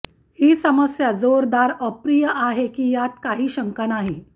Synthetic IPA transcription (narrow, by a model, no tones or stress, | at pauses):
hiːsəməsjad͡zoɾd̪aɾəpɾijəʔaɦekiːjat̪kaɦiːɕəŋkanaɦi